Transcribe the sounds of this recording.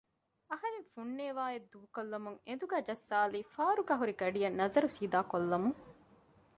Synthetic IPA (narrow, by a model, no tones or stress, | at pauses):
ɐhɐɾeŋfuɳːeːʋaːed̪uʋukolːɐmuŋend̪uɡæːd͡ʒɐsːaːliːfaːɾuɡɐɦuɾiɡɐɖijɐnːɐzɐɾusiːd̪aːkolːɐmuŋ